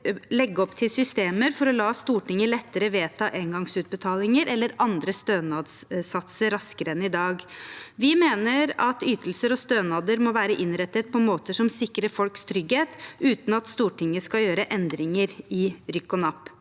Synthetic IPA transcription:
lɛɡːəɔpt̪ʰɪlsʏst̪eːməɾfɔɾɔlɑːst̪uːʈɪŋːəlɛt̪ːəɾəʋeːt̪ʰɑːʔeːŋɡɑŋsʉːt̪̚bət̪ʰɑːlɪŋəɾʔɛlːəɾɑnd̪ɾəst̪øːnɑːd̪ssɑt̪səɾɑskəɾəɛnːɪd̪ɑːɡʋɪmeːnəɾɑt̪yːt̪əlsəɾɔst̪øːnɑːd̪əɾmɔʋæːɾəʔɪnɾɛt̪ːət̪̚pʰɔmoːt̪əʂɔmsɪkːɾəɾfɔlkst̪ʰɾʏɡheːt̪ʔʉːt̪nɑt̪st̪uːʈɪŋːəskɑljøːɾəʔɛnd̪ɾɪŋəɾɪɾʏkːɔnɑpː

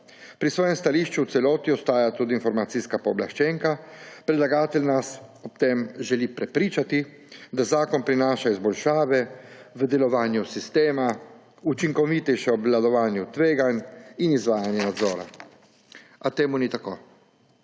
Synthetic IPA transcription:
pɾisʋɔːjɛmst̪aliːʃt͡ʃuwt̪sɛlɔːt̪iɔst̪aːjat̪uːd̪iːnfɔɾmasiskapɔblaʃt͡ʃɛŋkapɾɛd̪laɡaːt̪ɛlʲnasɔpt̪emʒɛlipɾɛpɾiːt͡ʃat̪i | d̪azaːkɔnpɾinaːʃaizbɔlʃaːʋɛʋəd̪ɛlɔʋaːnjusist̪eːma | ut͡ʃiŋkɔʋit̪ɛjʃɛɔblad̪ɔʋaːnjut̪ʋeːɡaninizʋaːjanjɛnad̪zɔːɾa̰ | at̪eːmunit̪akoː

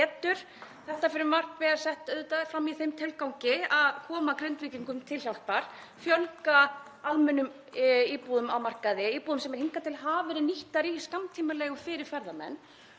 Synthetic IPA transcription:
ɛːt̪ʏɾ̥ | θɛht̪afɪɾʏmar̥pvɛːaɾsɛht̪œðt̪aðfɾamːiθejmt̪ʰɪlkawŋcɪaðkʰɔːmakɾent̪viːciŋkʏmt̪ʰɪlçjawlpaɾ̥ | fjœlka | aðmʏnʏm | iːpuːðʏmawmar̥kaðɪiːpuðʏmsɛmɛɾ̥hiŋkat̪ʰɪlɦaːvɛɾɪniht̪aɾiskamt̪ʰiːmɪlɛːɣʏfɪɾɪɾ̥fɛɾðamɛ̰nː

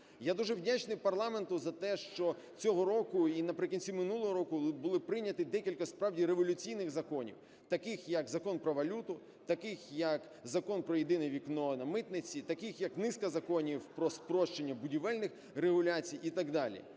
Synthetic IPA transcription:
jad̪uʒɛwdʲat͡ʃnɪjpɐrlˠɑme̞nt̪ʊzɐt̪ɛʃt͡ʃɔ | t͡sʲɔɦɔɾɔkʊinɐpɾɪkɔnʲt͡sʲimɪnulˠɔɦɔɾɔkʊbʊlˠɪpɾɪnʲːɐt̪ɪd̪ɛkʲilʲkɐspɾɑwdʲiɾeʋɔlʲʊt͡sʲijnɪɣzɐkɔnʲḭw | t̪ɐkɪxjɐkzɐkɔnpɾɔʋɐlʲut̪ʊ | t̪ɐkɪxjɐk | zɐkɔnpɾɔjid̪ɪnɛʋʲiknɔnɐmɪt̪nɪt͡sʲit̪ɐkɪxjɐknɪskɐzɐkɔnʲiwpɾɔspɾɔʃt͡ʃenʲːɐbʊdʲiʋɛlʲnɪx | reɦʊlʲat͡sʲijit̪ɐɡd̪ɑlʲḭ

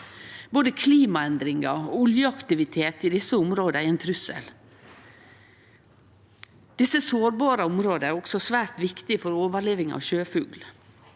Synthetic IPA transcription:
boːd̪əkʰliːmɑɛnd̪ɾɪŋɑʊljəɑkt̪ɪʋɪt̪ʰeːt̪ɪd̪ɪsːəʊmɾoːd̪əæɾɛnt̪ʰɾʉsə̰l | d̪̥ɪsːəsoːɾbɑːɾəʊmɾoːd̪əæɾɔksɔsʋæːɾt̪ʋɪkt̪ɪfɔɾoːʋəɭeːʋɪŋɑ̰ʋʃøːfʉːɡl

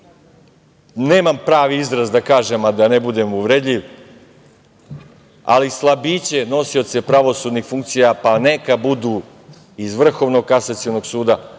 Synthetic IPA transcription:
ne̞ːmampɾaːʋiizɾazd̪akaːʒemad̪anebud̪e̞muʋɾed̪ʎʲiʋ | a̰lislˠabiːt͡ɕe̞no̞siot̪se̞pɾaʋo̞suːd̪nixfuŋk̚t̪sijapanekabud̪uː | izʋr̩xo̞ʋno̞ɡ̚kasat̪sionoɡsuːd̪a

